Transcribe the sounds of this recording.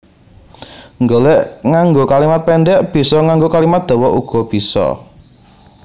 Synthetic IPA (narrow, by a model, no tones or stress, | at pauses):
ŋɡolɛʔŋaŋɡokalimat̪̚pɛɳɖɛʔb̥i̤sɔŋaŋɡokalimat̪̚d̪̥ɔ̤wɔʔuɡ̥ɔ̤b̥i̤sɔ̰